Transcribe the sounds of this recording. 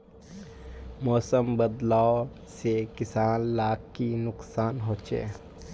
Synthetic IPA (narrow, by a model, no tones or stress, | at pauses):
mɔːsəmbəd̪laːo | sekɪsaːnlaːkːinʊksaːnɦoːt͡ʃḛː